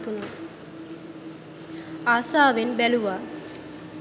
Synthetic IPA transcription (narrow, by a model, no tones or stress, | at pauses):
t̪unu | aːsaːʋinbeluʋa